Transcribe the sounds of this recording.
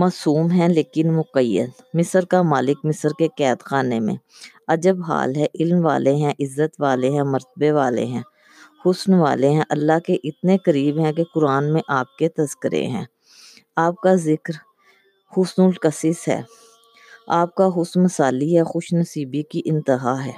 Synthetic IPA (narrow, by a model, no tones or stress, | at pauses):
maːsuːmɦɛ̃leːkɪnmʊqəjːə̰d̪ | mɪsəɾkamaːlɪkmɪsəɾkekɛːd̪xaːnemḛ̃ | ɐd͡ʒəbɦa̰ːlɦɛʔɪlmʋa̰ːleɦɛ̃ʔɪzːət̪ʋaːleɦɛ̃mɐɾt̪əbeʋaːlḛɦɛ̃ː | hʊsnʋa̰ːleɦɛ̃ʔɐlːakeʔɪt̪nekɐɾiːbɦɛ̃k̬ekʊɾaːnmẽʔaːp̚ket̪ɐzkəɾḛɦɛ̰̃ː | aːp̚kazɪkɾ | hʊsnʊlkəsɪsɦɛ̰ː | aːp̚kaɦʊsnməsaːliɦɛxʊʃnɐsiːbikiʔɪ̃nt̪ɪɦaɦɛː